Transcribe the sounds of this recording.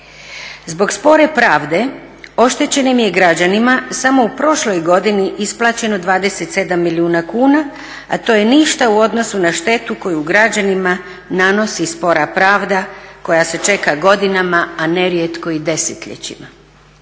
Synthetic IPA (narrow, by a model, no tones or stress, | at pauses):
zbo̞ɡspo̞ɾe̞pɾaːʋd̪e̞ | o̞ʃt̪e̞t͡ɕe̞nimjeɡɾad͡ʑanimasamo̞upɾo̞ʃlo̞jɡo̞d̪iniʔisplˠaːt͡ɕe̞no̞d̪ʋaːd̪e̞set̪se̞d̪amːiliuːnakuːna | a̰t̪o̞je̞niʃt̪auo̞d̪no̞sunaʃt̪e̞t̪uko̞juɡɾad͡ʑanima | nano̞sispo̞ɾapɾaːʋd̪ako̞jase̞t͡ʃe̞kaɡo̞d̪inamaane̞ɾjet̪ko̞id̪e̞set̪ʎḛt͡ɕḭma